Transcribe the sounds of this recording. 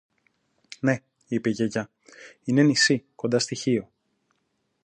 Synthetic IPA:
ne̞ | ipe̞ʝeʝɐ | ine̞nisiko̞nd̪ɐst̪içio̞

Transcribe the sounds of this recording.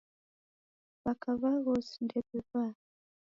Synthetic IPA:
βakaβaɣosi̥ndɛpeβa

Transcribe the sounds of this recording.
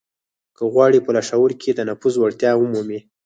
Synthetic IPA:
kəɣwɑɽipəlaʃawəɾkʰed̪ənafuzwaɽt̪jɑwəmumi

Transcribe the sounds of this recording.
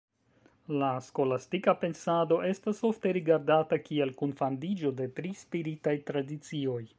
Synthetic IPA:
lasko̞lastikape̞nsado̞ʔe̞staso̞fte̞ɾiɡaɾdatakie̞lkunfandid͡ʒo̞de̞tɾispiɾitajtɾadit͡sio̞j

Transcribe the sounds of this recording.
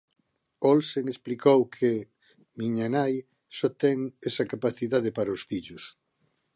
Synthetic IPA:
olseŋesplikowkʰe | miɲanaj | sɔt̪ɛŋesɐkapaθiðaðepaɾɐosfiʎʊs

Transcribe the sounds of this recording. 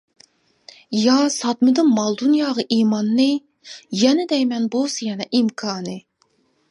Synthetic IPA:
jɑsɑt̪mɨd̪ɨnmɑlˠd̪unjɑːʁɑʔimɑnːɨ | jɛnɪd̪ɛjmɛnbosjɛnɛʔimkʰɑːnɨ

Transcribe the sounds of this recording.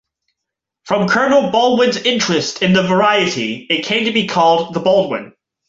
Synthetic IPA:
fɹʌ̃mkʰɜ˞nl̩ˠbɔlˠd̚wɪ̃nzɪ̃nt͡ʃɹ̥ɨstʰɨ̃nðɨvə˞aɪɨɾḭɨt̚kʰẽɪ̃mtɨbikʰɔlˠd̪̚ðəbolˠd̚wɪ̰̃n

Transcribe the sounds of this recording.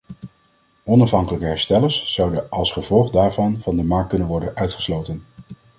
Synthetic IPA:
ɔnɑfɦɑŋkələkəɦɛɹstɛləɹsːɑwdənʔɑlˠsχəvɔlˠχdaːɹvɑnvɑndəmɑɹk̚kɵnənʋɔɹdənœɥtχə̥slowtən

